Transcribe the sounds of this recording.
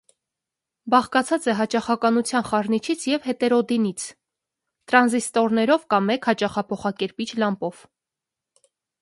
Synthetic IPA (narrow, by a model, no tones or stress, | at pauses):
bɑχkɑt͡sʰɑt͡sɛɦɑt͡ʃɑχɑkɑnut͡sʰjɑnχɑɾnit͡ʃʰit͡sʰjɛvhɛt̪ɛɾɔd̪init͡sʰ | t̪ɾɑnzist̪ɔɾnɛɾɔvkɑmːɛkhɑt͡ʃɑχɑpʰɔχɑkɛɾpit͡ʃʰlɑmpɔv̥